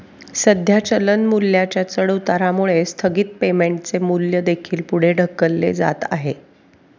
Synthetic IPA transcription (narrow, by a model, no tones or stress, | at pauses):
səd̪ʱjat͡ɕələnmuljat͡ɕjat͡səɽt̪aɾamuɭest̪ʰəɡiːt̪̚pemeɳʈt͡semuljəd̪ekʰiːlpuɽ̤eɖʱəkːəlːḛd͡za̰t̪a̰ɦe